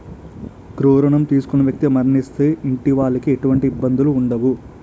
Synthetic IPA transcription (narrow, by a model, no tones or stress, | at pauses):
ɡɾuːɾɐɳɐmt̪iːsu̥kunɐʋjɐk̚t̪imɐɾnist̪e̞ːʔiɳʈiʋaːɭːɐkieʈuʋɐɳʈiːbːɐnd̪uluːɳɖɐʋu